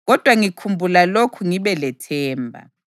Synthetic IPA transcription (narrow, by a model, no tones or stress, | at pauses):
ɣɔd̥ʱwaŋikʰumbʱulalokʰuŋiβɛlɛtʰɛːmbʱa̰